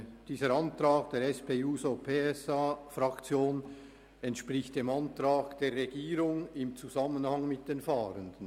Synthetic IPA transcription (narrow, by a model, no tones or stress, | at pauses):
d̥iːzəɾɑntɾaːkd̥eːɾɛspʰeːuːsopʰeːɛsafɾɑkt͡sjoːn | ɛntʃpʁɪçt̚d̥eːmɑntɾɑːkd̥eːrːeɡiːɾʊŋɪmt͡suzamənhɑŋmɪt̚d̥eːnfaːɾəndən